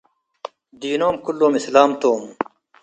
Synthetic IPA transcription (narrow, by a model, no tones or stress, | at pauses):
d̪iːnoːmkulːoːmislaːmt̪oːm